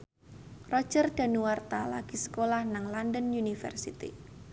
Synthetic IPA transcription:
rɔ̥d͡ʒərd̥a̤nuwart̪ala̰ɡ̥isə̥kolahnaŋlandənjunifə̰rsit̪ḭ

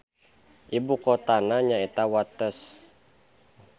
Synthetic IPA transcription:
ʔibukɔt̪anaɲaet̪awat̪əs

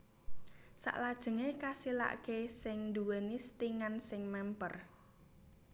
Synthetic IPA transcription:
sa̰ʔlad̥ʒ̥ə̤ŋekasila̰ʔkesɪŋnd̪uwenist̪iŋansɪŋmɛmpər

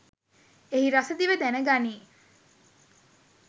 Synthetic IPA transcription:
eɦiɾased̪iʋed̪æneɡaniː

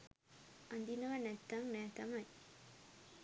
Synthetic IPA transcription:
ʔɐnd̪inɐʋɐnɛt̪ːaŋnæːt̪ɐmɐj

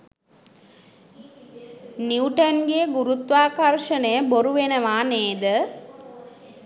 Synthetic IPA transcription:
niuʈənɡejəɡuɾut̪ʋaːkɐrʃənəjəboɾuʋenəʋaːneːd̪ə

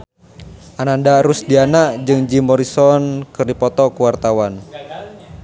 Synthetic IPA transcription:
ʔanandaɾusdianaʔd͡ʒɨŋd͡ʒimɔɾisɔnkɨrdipɔt̪ɔkuwart̪awan

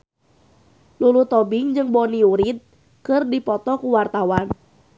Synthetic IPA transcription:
lulut̪ɔbɪŋd͡ʒɨŋbɔniuɾit̪̚ | kɨrdipɔt̪ɔkuwart̪awan

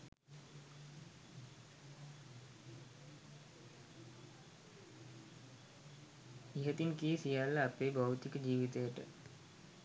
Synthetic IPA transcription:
iɦət̪inkijəsijalːəːpeːbawt̪ikəd͡ʒiːʋit̪əjəʈə̰

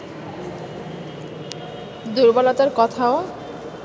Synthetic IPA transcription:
d̪uɾbɔlat̪aɾkɔt̪ʰao

